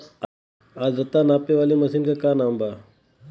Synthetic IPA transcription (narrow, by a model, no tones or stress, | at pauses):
azət̪anapeʋaliməsinkakaːnamba